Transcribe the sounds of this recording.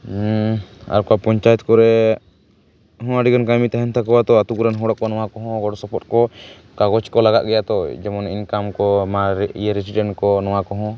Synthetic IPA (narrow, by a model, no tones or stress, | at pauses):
a̰ɾkapɔɲt͡ʃajɛt̪̚kɔɾɛ | ɦɔ̃aɖiɡɔnkamit̪aɦɛnt̪ʰakɔwat̪ɔat̪ukuɾɛnɦɔ̃ɽɔʔkɔnɔ̃wakɔɦɔ̃ɡɔɖɔsɔpɔt̪̚kɔ | kaɡɔt͡ʃkɔlaɡa̰ʔɡɛjat̪ɔd͡ʒɛmɔnḭɲkamkɔmaɾḭjeɾisiɖɛɳʈkɔnɔwakɔɦɔ̃